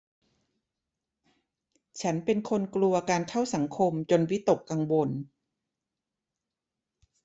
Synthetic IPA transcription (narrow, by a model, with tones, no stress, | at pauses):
t͡ɕʰa˦˥npe˧nkʰo˧nklu˧ɐkaː˧nkʰa˥˩wsa˩˦ŋkʰo˧mt͡ɕo˧nwi˦˥t̪o˨˩kːa˧ŋwo˧n